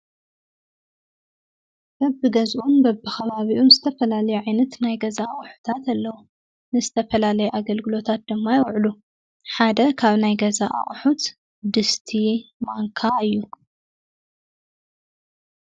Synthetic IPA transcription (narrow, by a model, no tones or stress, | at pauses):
bɐbːɨɡɐzʔunbɐbːɨxɐβaβiʔunzɨt̪ʰɐfɐlalɐjuʕajnɐt̪najɡɐzaχʼħu̥t̪ʰat̪alːɐwu | nɨzɨt̪ʰɐfɐlalɐjuʔaɡɐlɡɨlo̞t̪ʰat̪̚d̪ɨmːajɪwʕlu | ħad̪ɐkʰaβnajɡɐzaʔa̰χʼħut̪ | d̪ɨst̪ʰimaŋkʰaɨjːu